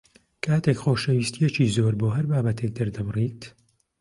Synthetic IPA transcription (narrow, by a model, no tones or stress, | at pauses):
kʰaːt̪ʰekxoːʃɐwiːst̪ʰijɛt͡ʃiːzoːɾboːɦɐɾbaːbɐt̪ʰek̚d̪ɐɾd̪ɐmriːt̪